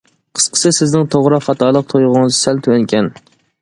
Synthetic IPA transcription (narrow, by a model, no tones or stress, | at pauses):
qʰə̥sqʰə̥sɨsɪznɪŋt̪ʰoʁɾɑχɑt̪ʰɑːlˠəq̚t̪ʰojʁʊŋɨzsælt̪ʰywɛŋkʲɛn